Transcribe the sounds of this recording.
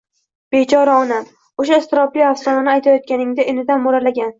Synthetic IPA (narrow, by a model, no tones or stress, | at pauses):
b̥et͡ʃʰɒɾaɒna | oʃaɪst̪ɪɾɒbliafsɒnanɪajt̪ʰajɒt̪̚kʲanɪŋd̪ɪʔɪnɪd̪anmoɾalaɡʲan